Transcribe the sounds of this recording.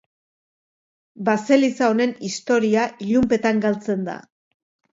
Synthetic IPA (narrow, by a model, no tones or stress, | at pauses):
base̞lisaone̞nist̪o̞ɾiaʔiʎumpe̞t̪aŋɡalt͡se̞nd̪a̰